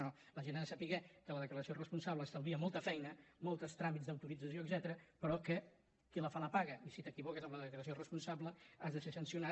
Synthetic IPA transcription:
o | ləʒenaəsəpiɣɛkələðəkləɾəsiorəspunsaβləːst̪əwiəmɔlˠt̪əfɛjnəmolˠt̪əst̪ɾamidd͡zðəwt̪uɾid͡zəsjoəɡzɛt̪əɾəpɾɔkə | kiləfaləpaɣəisit̪əkiβɔkəzəmləðəkləɾəsiorəspunsabləazðəsesənsiuna

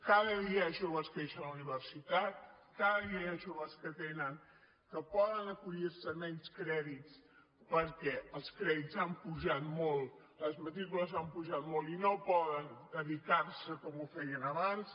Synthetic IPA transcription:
kaðəðiəʒoβəskeʃənluniβərsit̪at̪̚ | kaðəðiəəʒoβəskət̪enəŋ | kəpɔðənəkuʎiɾsəmɛɲskɾɛðit͡s | pəɾkɛəlˠskɾɛðitzampuʒat̪mɔlˠ | ləzmət̪ɾikuləzampuʒat̪molinopɔðənd̪əðik̪arsəkɔmufɛjənəβans

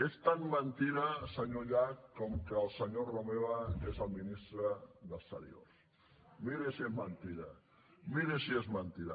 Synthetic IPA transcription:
est̪anmənt̪iɾasəɲoʎakːɔmkəːlˠsəɲoromeβaezəlˠminist̪ɾəðəst̪ə̰ɾj̰o̰s | miɾesiezmənt̪iɾɐ | miɾesiezmənt̪iɾa

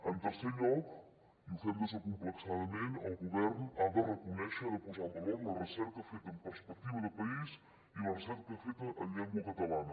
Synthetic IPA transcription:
ənt̪əɾseʎɔk | iufed̪əs̬əkumpləksaðɐmẽnəlɣuβɛɾnad̪ərəkunɛʃəðəpuzalˠd̪əβɔɾlərəsɛɾkəfet̪əəmpəɾspək̚t̪iβəðəpɐis | iulɐrəsɛɾkəfet̪əʔəʎɛŋɡwəkət̪ɐlanə

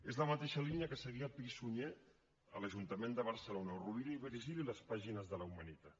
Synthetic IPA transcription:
ezləmət̪eʃəliniəkəsəɣiəpisuɲe | ələʒunt̪əmend̪əβ̞əɾsəlonəuruβiɾiβɾiʒililəspaʒinəzðələwmənit̪a

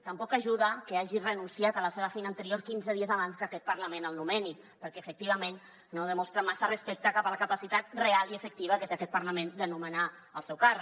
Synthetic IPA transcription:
t̪əmpɔkaʒuðəkəaʒirənunsiat̪ələseβəfejnant̪əɾioɾkinzəðiəzaβanskakɛt̪̚pəɾləmẽnəlˠnumɛni | pəɾkɛəfək̚t̪iβ̞əmenː | oðəmɔst̪ɾəmasərəspɛk̚t̪əkapələkapasit̪at̪̚realiəfək̚t̪iβəkət̪eakɛt̪̚pəɾləmend̪ənuməna | əlˠsɛwkar

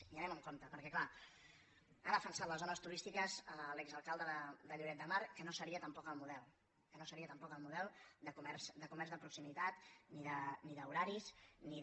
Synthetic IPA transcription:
iənɛməŋkomt̪əpəɾkɛkla | anəfənsat̪ləzonəst̪uɾist̪ikəzəlɛkzəlˠkalˠd̪əəd̪əʎuɾɛt̪̚d̪əmaɾkənosəɾiət̪əmpɔkəlˠmuðɛlˠ | kənosəɾiət̪əmpɔkəlˠmuðɛlˠd̪əkumɛɾz̥d̪əkumɛɾzðəpɾuksimit̪at̪niðəniðəuɾaɾizni

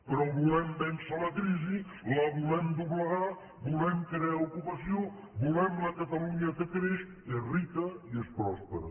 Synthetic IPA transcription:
pəɾɔβulɛmbɛnsaləkɾizi | ləβulɛmd̪uβləɣa | bulɛmkɾeaukupəsio | bulɛmləkət̪əluɲəkəkɾeʃ | erit̪əiespɾɔspəɾə

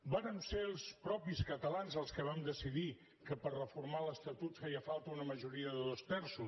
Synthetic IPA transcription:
baɾəmselˠspɾɔpiskət̪əlanzəlˠskəβ̞amd̪əsiði | kəpərrəfuɾmaləst̪ət̪ut̪fajəfalˠt̪əunəməʒuɾiəðəðost̪ɛɾsus

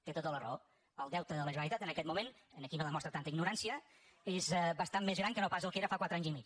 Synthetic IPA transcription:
t̪et̪ot̪ələr̰o | əlˠd̪ɛwt̪əðələʒβəɾit̪at̪ənəkɛt̪mumenənəkiβəlðəmɔst̪ɾat̪ant̪əiɡnuɾansiə | ezβəst̪ammːezɣɾaŋkənopasəlˠkeɾəfakwat̪ɾaɲzimit͡ʃ

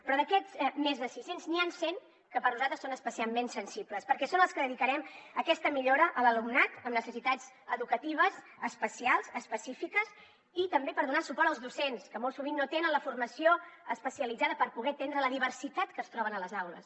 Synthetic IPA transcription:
pɾɔðəkɛzmezðəsisenzniansen | kəpəɾnuzalt̪ɾəsonəspəsialˠmensənsipləspəɾkɛsonəlˠskəðəðikəɾɛməkɛst̪əmiʎoɾəʔələlumnat̪əmnəsəsit̪az | əðukət̪iβ̞əz | əspəsialˠzəspəsifikəs | it̪əmbepəɾðunasupɔɾt̪əlˠzðusenskəmolˠsuβ̞inːot̪enənləfurməsioəspəsiəlid͡zaðəpəɾpuɣɛt̪end̪ɾələðiβ̞əɾsit̪at̪kəst̪ɾɔβənələzawlə̰s

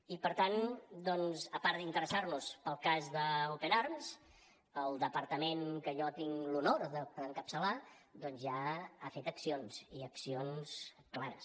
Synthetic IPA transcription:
ipəɾt̪and̪ɔnzəpaɾd̪int̪əɾəsaɾnuspəlˠkazðəupənaɾmz | əlˠd̪əpəɾt̪əmeŋkəʒɔt̪iŋlunoɾðəðəŋkəpsəla | d̪ɔnzʒaafet̪əksionz̥iəksionz̥ | klaɾə̰s

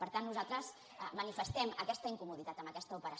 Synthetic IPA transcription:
pəɾt̪anːuzat̪ɾəz | əmənifəst̪ɛməkɛst̪əiŋkumuðit̪at̪əmbəkɛst̪əupəɾə

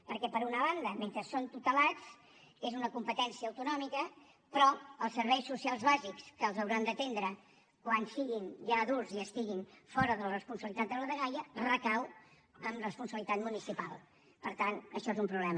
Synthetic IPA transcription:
pəɾkɛpəɾunəβand̪əment̪ɾəsont̪ut̪əlat͡s | ezunəkumpət̪ɛnsiəːwt̪unɔmikə | pɾɔəlˠsəɾβɛjsusialˠzβazikskəːlˠzəwɾand̪ət̪end̪ɾə | kwansiɣinʒaðulziəst̪iɣinfɔɾəðələrəspunsəβəlit̪at̪̚d̪ələðəɣajərəkaw | əmrəspunsəβlit̪at̪munisipalˠ | pəɾt̪anəʃɔezumpɾuβlɛmə

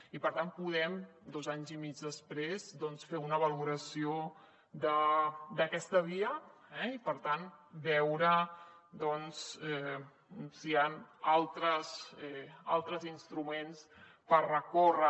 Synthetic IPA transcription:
ipəɾt̪anpuð̞ɛmd̪ɔzaɲzimid͡ʒðəspɾezd̪ɔnsfeunəβəluɾəsio | d̪əd̪əkɛst̪əβ̞iəɛipəɾt̪anbɛwɾəd̪ɔnsɛ | sianalˠt̪ɾəzɛa̰lˠt̪ɾəzinst̪ɾumens | pərrəkorə

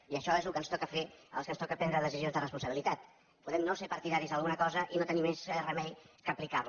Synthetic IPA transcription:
iəʃɔezlukənst̪ɔkəfeə̰lˠskənst̪ɔkəpɛnd̪ɾəðəsizijonzðərəspunsəβilit̪at̪ | puðɛmnosepəɐɾt̪iðaɾizəlˠɣunəkɔzəʔinot̪ənimesrəmɛʎkəplikarlu

